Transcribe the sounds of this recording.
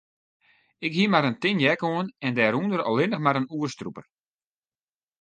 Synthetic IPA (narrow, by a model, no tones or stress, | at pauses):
ɪkɦiəmaɾəntɪnjɛkoənɛndɛːɾundəɾɔ̰lˠɪnəxmaɾənuərstrupər